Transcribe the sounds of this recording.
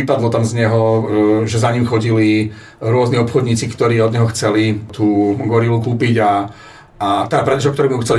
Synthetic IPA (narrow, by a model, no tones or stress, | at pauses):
ipad̪lɔt̪amzɲɛɦɔʒɛzaɲimxɔɟili | ɾʊɔzniɔpxɔd̪ɲiːt͡sikt̪ɔɾiːɔd̪ɲɛɦɔxt͡sɛlit̪uːɡɔɾilukuːpiɟa | at̪apɾɛd̪ɛʃɔkt̪ɔɾɛːmimuxt͡sɛli